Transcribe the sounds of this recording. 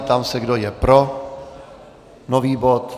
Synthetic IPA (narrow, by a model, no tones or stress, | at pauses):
t̪amsɛɡdojɛpɾo | noviːbot̪